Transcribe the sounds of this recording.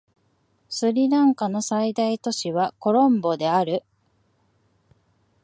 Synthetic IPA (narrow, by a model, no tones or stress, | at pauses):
sɨɾʲiɾãŋkano̞said̪ait̪o̞ɕiβ̞ako̞ɾõ̞mbo̞d̪e̞aɾɯ̟